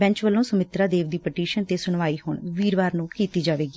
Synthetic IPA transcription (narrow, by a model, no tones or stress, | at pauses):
bɛ̃ɲt͡ʃʋəlːõːsəmɪt̪ɾaːd̪eːʋd̪iːpəʈiːʃənt̪eːsʊɳʋaːiːhʊɳʋiːɾʋaːɾnũːkiːt̪iːd͡ʒaːʋeːɡiː